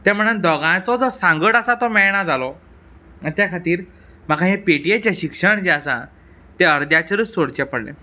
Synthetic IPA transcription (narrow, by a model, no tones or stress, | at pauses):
t̪ɛ̃m̤əɽ̃ənd̪ɔɡãt͡sɔd͡zɔsãŋɡəʈasat̪ɔmɛɭɳ̃ad͡zalɔ | at̪jakʰat̪iːɾ | m̤akʰãɦepeʈiet͡ɕaɕikʂəɳd͡ʑeasa̰ | t̪eəɾd̪ʱjat͡ɕəɾusoɽt͡ɕapəɽlḛ̃